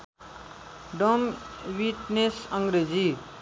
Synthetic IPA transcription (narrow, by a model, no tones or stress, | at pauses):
ɖomwiʈnesʌŋɡɾed͡ʒi